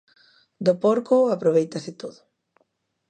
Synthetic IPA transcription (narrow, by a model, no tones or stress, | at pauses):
d̪opoɾkoapɾoβ̞ejt̪asɪt̪oðʊ